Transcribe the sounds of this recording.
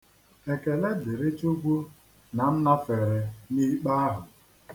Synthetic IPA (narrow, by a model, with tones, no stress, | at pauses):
e˨ke˨le˦dɪ˨ɾe˦t͡ʃu˦ɡʷu˦ | na˨n̩˦na˦fe˨ɾe˨ni˦k͡pa˦a˦ɦʊ˨